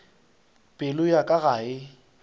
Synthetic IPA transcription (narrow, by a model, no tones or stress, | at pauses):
pʼɪlʊjakʼaɣaɪ